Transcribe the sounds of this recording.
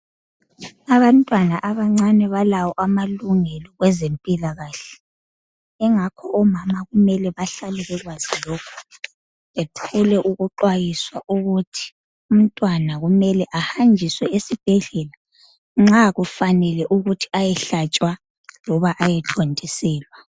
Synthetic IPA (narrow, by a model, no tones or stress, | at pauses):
aβantʼwanaʔaβaŋ͡ǀanɛβalawɔʔamaluŋɛlɔɣwɛzempʼilaɣaːɬɛ̥ | ɛŋakʰɔɔmamaɣumɛlɛβaɬalɛɣɛɣwaz̥ilokʰu̥ | βetʰulɛʔuɣuǃwajiswa̰ʔuɣutʰi̥ | um̩tʼwanaɣumɛlɛʔahand͡ʒʱiswɛesib̥ʱɛɮɛla | ŋ͡ǁaɣufanɛlɛʔuɣutʰi̥ajɛɬat͡ʃʼwa | lɔβaʔajɛt͡ɬʰondʱisɛːlwa